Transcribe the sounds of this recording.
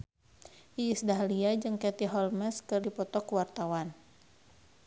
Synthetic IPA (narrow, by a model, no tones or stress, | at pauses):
ʔiːsdaɦliad͡ʒɨŋkɛt̪iɦɔlmɛskɨrdipɔt̪ɔkuwart̪awan